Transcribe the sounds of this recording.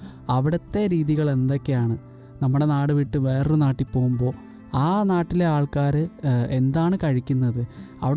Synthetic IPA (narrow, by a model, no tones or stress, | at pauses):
ɐʋiɽɐt̪ːe̞ɾiːðiɣɐɭe̞nd̪o̞kːe̞jaːɳɨ | nɐmːuɽe̞naːɽɨʋiʈːɨʋe̞ːrɨnaːʈːipːo̞ːɣumbo̞ː | aːnaːʈːile̞aːɭkaːɾɨe̞nd̪aːɳɨkɐɻikʲːunːɐðɨ | ɐ̰ʋiɽ